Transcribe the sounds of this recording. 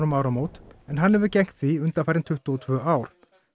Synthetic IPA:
ɾʏmaːwɾamoːwt̪ɛnɦanːhɛvʏɾcɛŋ̥t̪θiʏnt̪afaɾɪnt̪ʰʏht̪uɔt̪ʰvœːaːwɾ̥

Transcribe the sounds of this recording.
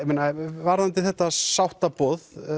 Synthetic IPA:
meːnavaɾðant̪ɪlθɛht̪asawht̪apɔːð

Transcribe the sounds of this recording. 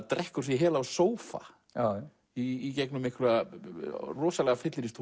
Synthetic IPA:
t̪ɾɛhkʏɾ̥θjɛɦɛːlawsoːwfa̰ | iːcɛknʏmɪhkʰɾɛa | rɔːsalɛɣafɪt̪lɪɾɪst̪ʰu

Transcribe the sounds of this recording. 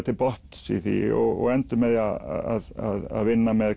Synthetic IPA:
t̪ʰɪpɔht̪sḭθḭɔ̰ɔ̰ɛnt̪əmɛðaa̰ðaða̰ðʋɪnːamɛð

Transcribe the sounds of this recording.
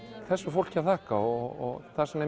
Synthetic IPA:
θɛsːʏfowl̥caθʰaːkaɔɣɔ̰ɣθaðsɛmnɛ

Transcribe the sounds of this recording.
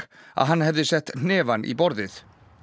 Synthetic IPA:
a̰ðɦanhɛvðɪsɛht̪n̥nɪːvanʔḭbɔɾðɪθ

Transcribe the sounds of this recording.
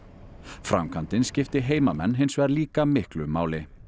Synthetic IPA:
fɾa̰mkʰant̪ɪnscɪft̪ɪɦeːjmamɛ̰nːɦejnsvɛːðaɾliːkamɪhklʏmaːwlɪ

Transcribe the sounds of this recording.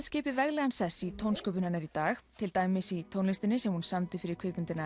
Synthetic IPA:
ðscɪːpɪvɛɣlɛɣansðɛsːit̪ʰownskœːpʏnhanːaɾit̪aːxt̪ʰɪlt̪aːjmɪsit̪ʰownlɪst̪ɪnɪsɛmhunsamt̪ɪfɪɾɪɾkʰɪːkmɪnt̪ɪna

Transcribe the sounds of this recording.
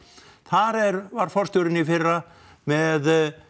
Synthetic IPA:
θaɾɛɾvaɾ̥fɔr̥st̪ɔwɾɪnifɪrːa | mɛð

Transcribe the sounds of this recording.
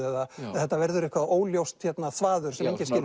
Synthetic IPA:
ɛðaθɛht̪ːavɛɾðʏɾɛhkvaðoːwljowst̪çɛt̪naθvaːðʏɾ̥sɛmeɲcɪscɪl

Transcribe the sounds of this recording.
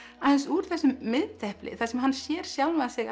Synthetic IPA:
aɛnsuɾ̥θɛsːʏmːɪðt̪ɛhplɪ̰θasɛmɦanːsjɛːɾ̥sjawlmaðsɪɣ

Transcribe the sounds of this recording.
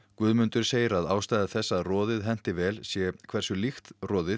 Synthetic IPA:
kvʏːðmʏnt̪ʏɾ̥seːjɪɾaðaːwst̪ajðaθɛsːaðrɔːðɪðɦɛn̥t̪ɪvɛːlsjɛkʰvɛr̥sʏlixt̪rɔːðɪ

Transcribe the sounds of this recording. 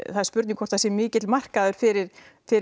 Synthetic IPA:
θaðɾspʏɾt̪niŋkʰɔ̥t̪ʰasjɛmɪːcɪt̪lmar̥kaðʏɾ̥fɪɾɪɾ̥ | fɪɾ

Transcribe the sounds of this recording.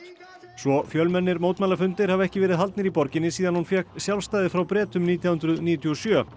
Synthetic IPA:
svɔfjœlmɛnːɪɾmoːwt̪malafʏnt̪ɪɾ̥havɛhcɪvɛːɾɪðɦalt̪nɪɾipɔɾcɪnːɪsiːðanhunfjɛksjawlst̪aːjðɪfɾawpɾɛːt̪ʏmniːt̪̬ʰjahʏnɾʏðniːt̪ʰiɔsjœː

